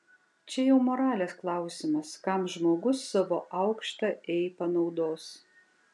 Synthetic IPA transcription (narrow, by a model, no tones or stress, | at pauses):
t͡ʃʲɛjɛʊmoːɾɑːlʲeːsklˠɑˑʊsʲɪmɐskɑmʒmoːɡʊsːɑʋo̰ːʔɐʊkʃt̪ɐʔɛɪpɐnɒʊd̪oːs